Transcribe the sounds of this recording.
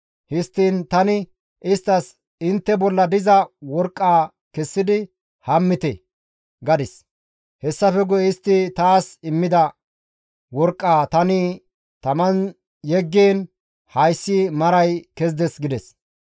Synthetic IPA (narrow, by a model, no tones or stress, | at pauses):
hɪst̪ːiːnt̪ɐnɪ | ɪst̪ːɐs | ɪnt̪ːɛbɔlːɐd̪ɪzɐwɔɾkʼːaː | kɛsːɪd̪ɪ | hɐmːɪt̪ɛ | ɡɐd̪ɪs | hɛsːɐfɛɡʊjɛɪst̪ːɪt̪aːsɪmːɪd̪ɐ | wɔɾkʼːaːt̪ɐnɪ | t̪ɐmɐn | jɛɡːeːn | hɐjsːiːmɐɾɐjkɛzd̪ɛsɡɪd̪ɛs